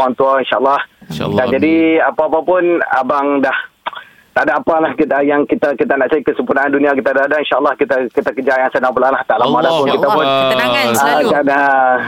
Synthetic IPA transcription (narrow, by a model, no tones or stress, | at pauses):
aŋt̪uainʃaalːɑhkand͡ʒadiapaːpapʊna̰baŋdah | t̪adaːpalahkit̪əjaŋkit̪akit̪anaʔt͡ʃaɾikəsəmpunaandunĩak̬it̪adadainʃaalːɑhkit̪akit̪akəd͡ʒaʔjaŋsənaŋpulalaht̪aʔlamadahpʊnkit̪apʊnaakana